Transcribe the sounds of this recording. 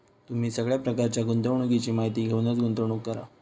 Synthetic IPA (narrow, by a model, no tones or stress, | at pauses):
t̪um̤iːsəɡɭjapɾəkaɾt͡ɕjaɡunt̪əʋɳ̃uɡit͡ɕiːmaɦit̪iːɡʱewnət͡sɡunt̪əʋɳ̃ukːəɾa̰